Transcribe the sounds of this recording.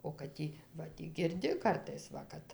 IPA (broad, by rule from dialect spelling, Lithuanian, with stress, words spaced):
oː kɐt ˈtʲiː ʋɐ ˈtʲiː ɡʲɪrʲˈdʲɪ ˈkɐrtɐɪs ˈʋɐ kɐt